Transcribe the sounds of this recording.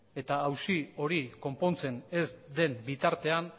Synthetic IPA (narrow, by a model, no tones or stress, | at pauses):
e̞t̪aːwsio̞ɾiko̞mpo̞nt͡se̞ne̞zd̪e̞mbit̪aɾt̪e̞an